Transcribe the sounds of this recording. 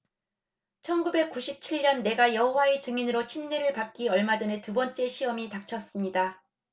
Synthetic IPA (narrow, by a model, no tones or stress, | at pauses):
t͡ɕʰʌnɡube̞k̚k͈uɕʰip̚t͡ɕʰiɭɲʌnːe̞ɡajʌɦowae̞t͡ɕɯŋinɯɾot͡ɕʰinːe̞ɾɯɭpak̚k͈iʌɭmad͡ʑʌne̞tubʌnt͡ɕ͈e̞ɕʰiʌmitak̚t͡ɕʰʌs͈ɯmɲida